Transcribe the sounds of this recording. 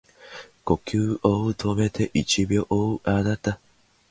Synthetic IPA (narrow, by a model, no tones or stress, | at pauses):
ko̞kʲɨːʔot̪ʰome̞t̪ʰe̞ʔit͡ɕibʲjoʔoɯʔanat̪a